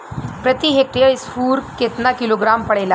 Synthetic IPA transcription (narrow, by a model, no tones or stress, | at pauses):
pɾət̪iɦek̚ʈijəisfuːɾket̪nakiloɡɾampəɽela